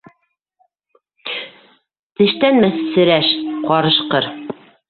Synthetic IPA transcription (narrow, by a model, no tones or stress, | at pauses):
t̪ɘ̆ʃt̪ænmæθsɘ̆ɾæʃqɒɾɤ̆ʃqɤɾ